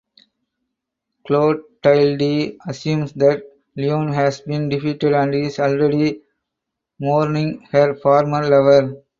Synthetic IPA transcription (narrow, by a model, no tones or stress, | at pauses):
kloːɖ̚ʈaɪlɖiɐsjũːmsd̪æʈ̚ | liõːnɦæsbĩːnɖɪfiːʈeɖæ̃ɳɖizɔlɾeɖi | mɔːɾnĩŋhəɾfɔːɾməɾlʌʋəɾ